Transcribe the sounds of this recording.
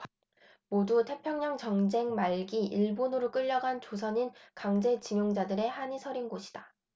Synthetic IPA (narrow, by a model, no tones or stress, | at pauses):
modutʰe̞pʰjʌŋɲʌŋt͡ɕʌŋd͡ʑe̞ŋmaɭɡiʔiɭbonɯɾok͈ɯʎːʌɡant͡ɕosʰʌɲinkaŋd͡ʑe̞t͡ɕiŋjoŋd͡ʑadɯɾe̞haɲisʰʌɾinɡoɕʰi̥d̥a